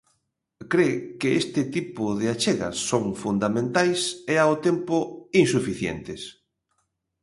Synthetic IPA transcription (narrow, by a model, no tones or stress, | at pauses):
kɾekɪest̪ɪt̪ipʊðɪat͡ʃeɣɐ̰sːoŋfund̪amẽnt̪ajseaot̪empʊiŋsufiθjḛnt̪ɪs